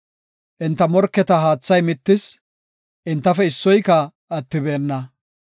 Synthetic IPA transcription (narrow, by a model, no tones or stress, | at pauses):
ʔɪnt̪ːɐmɔɾkːɛt̪ɐɦaːt͡sːɐjmɪt̪ːɪs | ʔɪnt̪ːɐfɛɪsːɔjkɐː | t̪ːɪbe̞ːnːɐ